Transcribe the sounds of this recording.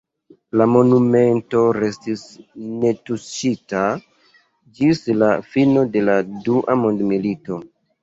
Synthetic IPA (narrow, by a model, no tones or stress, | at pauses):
lamo̞nume̞nto̞ɾe̞stisne̞tuʃita | d͡ʒislafino̞de̞laduʔamo̞ndmilito̞